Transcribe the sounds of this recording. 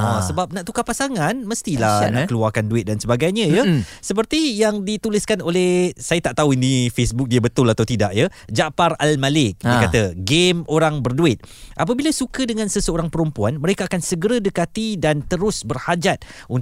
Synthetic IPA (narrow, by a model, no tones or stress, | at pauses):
asəbap̚nãʔt̪ukapasaŋãnməst̪ilahnãʔkəluarkanduɪt̪̚dansəbaɡajɲə̃jəsəp̬ərt̪ijaŋdit̪ulɪskanolɛhsajat̪aʔt̪auinĩfesbʊk̚diəbət̪ʊlat̪awt̪idaʔjəd͡ʒaparalmalɪk̚dikat̪aɡemoɾaŋbərduɪt̪̚ʔap̬əbilasukədəŋãnsəsəoɾaŋpəɾumpuanmə̃ɾekaːkansəɡəɾədəkat̪idant̪əɾʊsbərhad͡ʒat̪̚un